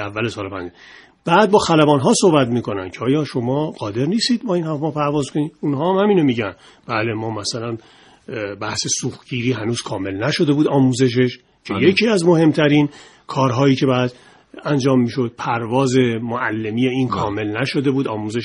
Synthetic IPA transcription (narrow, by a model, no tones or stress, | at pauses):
ævːælesɒːlopæ̰nd͡ʒe | b̥æːd̪̚bɒːxælæbɒːnɦɒːso̞hbæt̪miːko̞næmcʰeɒːjɒːʃo̞mɒːɢɒːd̪e̞ɾniːst̪iːd̪̚bɒːinhæfmɒːpʰæɾvɒːzkʰo̞niːunɦɒːæmhæmiːno̞miːɟæn | b̥æːle̞mɒːmæsælæn | bæhse̞suːxɟiːɾiːɦænuːz̥kʰɒːme̞lnæʃo̞d̪e̞buːd̪ɒːmuːze̞ʃ̬e̞ʃ | cʰejecʰiːæzmo̞he̞mt̪ʰæɾiːn | kʰɒːɾɦɒːjiːcʰe̞bæːd̪ | ænd͡ʒɒːmːiːʃo̞d̪̥̚pʰæɾvɒːze̞moʔælːe̞miːjeiːnkʰɒːme̞lnæʃod̪e̞buːd̪ɒːmuːzeʃ